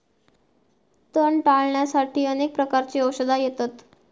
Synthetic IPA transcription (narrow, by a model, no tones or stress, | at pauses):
t̪əɳʈaɭɳjasaʈʰiːənek̚pɾəkaɾt͡ɕiːəwɕəd̪ʱajet̪at̪